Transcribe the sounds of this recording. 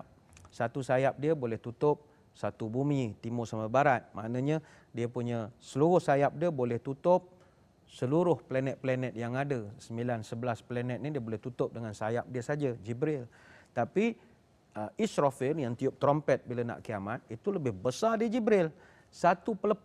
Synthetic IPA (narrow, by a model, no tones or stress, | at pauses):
sat̪usajap̚diəbolɛht̪ut̪ʊp̚ | sat̪ubumĩt̪imosamabaɾat̪̚mʔa̰ʔnãɲa | diəpuɲasəluɾʊhsajap̚diəbolɛht̪ut̪ʊp̚ | səluɾʊhplanɛt̪̚plɛnɛt̪̚jaŋadasəmbilansəbəlaspəlɛnɛt̪̚nidiəbolɛht̪ut̪ʊp̚dəŋansajap̚diəsad͡ʒad͡ʒibɾɪl | t̪api | əisɾofɪnjaŋt̪iʊp̚t̪ɾɔmpɛt̪̚bilana̰ʔkiamat̪̚it̪uləbɪhbəsadid͡ʒibɾɪl | sat̪upələp